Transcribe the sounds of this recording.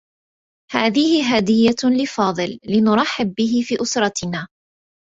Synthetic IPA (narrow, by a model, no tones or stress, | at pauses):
haːðɪhɪɦaːd̪ɪjːalɪfɑːðˤɨlːɪnʊɾˤɑħːɪb̚ːɪɦɪfiːʔʊsɾˤɑt̪ɪnaː